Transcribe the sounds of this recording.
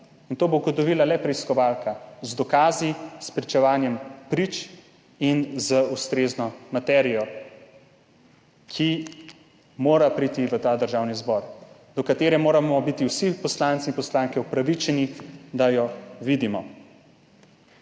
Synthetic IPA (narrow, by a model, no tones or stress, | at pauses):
int̪oːboɡɔt̪ɔʋiːlalɛpɾɛiskɔʋaːlkazd̪ɔkaːzispɾit͡ʃɛʋaːnjɛmpɾit͡ʃ | inzəust̪ɾeːznɔmat̪ɛɾijɔ | kʰi | moːɾapɾit̪iʋət̪aːd̪əɾʒaːwnizbɔːɾ | d̪ɔkat̪eːɾɛmoːɾamɔbit̪iwsipɔslaːnt̪sinpɔslaːŋkɛupɾaʋit͡ʃɛnid̪ajɔʋid̪imɔ